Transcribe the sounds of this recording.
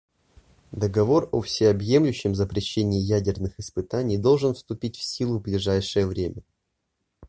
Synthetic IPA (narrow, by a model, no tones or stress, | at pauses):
d̪əɡɐvo̞rofsʲɪɐbje̞mlʲʉɕːɪmzəpɾʲɪɕːenʲɪːjædʲɪrnɨxɪspɨt̪anʲɪjd̪o̞lˠʐɨnfst̪ʊpʲitʲfsʲilˠʊvblʲɪʐajʂɨjəvɾʲemʲə